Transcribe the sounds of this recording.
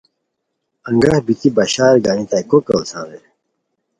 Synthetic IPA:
ɐ̃ŋɡɐhbit̪ibɐɕaːɾɡaːnit̪ajkokɐlsã̰ːd̪e

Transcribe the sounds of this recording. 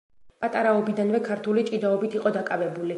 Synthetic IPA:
pʼat̪ʼaɾaɔbid̪anvɛkʰaɾt̪ʰulit͡ʃʼid̪aɔbit̪ʰiqʼɔd̪akʼavɛbuli

